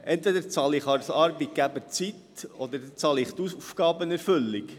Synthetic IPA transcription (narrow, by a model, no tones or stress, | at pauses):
ʔɛnt̪vɛd̪əɾt͡sɑlɪχɑɾsɑːɾbit̪̚ɡ̥æbət͡sit̪ɔd̪əɾt͡sɑlɪχt̪uufɡ̥ɑːbənɛɾfɵlːik